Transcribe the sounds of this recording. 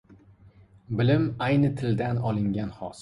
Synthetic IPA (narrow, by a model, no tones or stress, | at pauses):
bɪlɪmajnɨt̪ʰɪld̪anɒlˠɪŋɡʲanhɒs